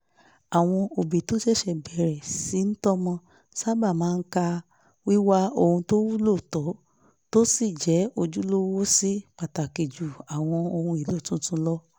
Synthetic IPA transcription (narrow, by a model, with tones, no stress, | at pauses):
a˨w̃ɔ̃˧o˧be˨to˨˦ʃɛ˦˨ʃɛ˧bɛ˨ɾɛ˨si˨˦n̩˦tɔ˦mɔ̃˧ | sa˦ba˦˨mãː˨˦˧n̩˦ka˧ | wi˦wa˦o˧hũ˧to˦wu˦lo˦˨tɔ˨˦ | to˦si˦˨d͡ʒɛ˨˦o˧d͡ʒu˦lo˦wo˦si˦k͡pa˨ta˨ke˨d͡ʒu˨a˨w̃ɔ̃˧o˧hũ˧i˨lo˨˦˨tũ˦tũ˦lɔ˦